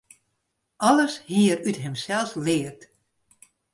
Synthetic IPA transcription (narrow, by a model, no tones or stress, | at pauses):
ɔləshiəɾytɦɪmsɛlˠslɪːərt